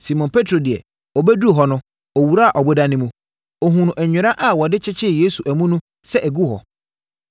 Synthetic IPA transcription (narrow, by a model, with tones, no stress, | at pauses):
si˨mɔ̃˨npʰe˦tʰɾo˨dɪ˨ɛ̰˨ | ɔ˨bɛ˦du˦˨ɦɔ˨nʊ̃˦ | ɔ˨wu˨ɾa˦a˨ʔɔ˨bʊ˦da˦nɪ̃˦mũ˦ | ɔ˨ɦũ˨nʊ̃˨ʔɛ˨ɲᶣɪ˨ɾa˦ʔa˨wɔ˨dɪ˦t͡ɕʰɪ˦t͡ɕʰɪ˦˨je˦su˨ʔæ˨mũ˦nũ˦ | sɛ˦ʔæ˨ɡu˦hɔ̰˨